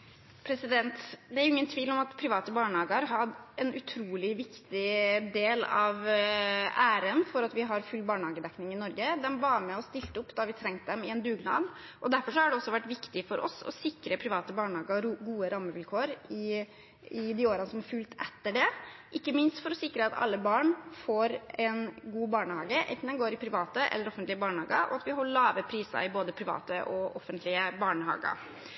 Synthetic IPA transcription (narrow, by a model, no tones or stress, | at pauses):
pʰɾɛsɪd̪ɛnt̪d̪ɛæɾʊɪŋːənt̪ʰʋiːlɔmɑt̪pʰɾɪʋɑːt̪əbɑːɳhɑːɡəɾɦɑdɛnʔʉt̪ʰɾuːlɪʋɪkt̪ɪd̪eːlɑ̰ʋ | æːɾənfɔɾɑt̪ʋɪɦɑɾfʉlːbɑːɳəhɑːɡəd̪ɛknɪŋɪnɔɾɡəd̪ɛmʋɑɾmɛɔst̪ɪlt̪əʊpːd̪ɑʋɪt̪ʰɾɛŋt̪əd̪ɛmɪɛnd̪ʉːɡnɑ̰ːd̪ʔɔd̪æɾfɔʂɔhɑɖɛɔsːɔʋæʈːʋɪkt̪ɪfɔɾʔɔ̰sɔ̰sɪkɾəpʰɾɪʋɑːt̪əbɑːɳhɑːɡəɾɡuːəɾɑmːəʋɪlkʰoːɾɪ | ɪd̪ɪoːɾənəsɔmɑɾfʉːlt̪ɛt̪ːəɖɛʔɪkːəmɪnst̪fɔɾɔsɪkːɾəɑt̪ʰɑ̰lːəbɑːɳfoːɾɛnɡuːbɑːɳəhɑːɡəʔɛ̰nt̪n̩d̪ɛnɡoːɾɪpʰɾɪʋɑːt̪əʔɛ̰lːəɾɔfənt̪lɪəbɑːɳəhɑːɡɑɾʔɔ̰ɑt̪ʋɪhɔlɑːʋəpʰɾiːsɑ̰ɾɪboːd̪əpʰɾɪʋɑ̰ːt̪əʔɔʔɔfːənt̪lɪəbɑːɳəhɑ̰ːɡɑ̰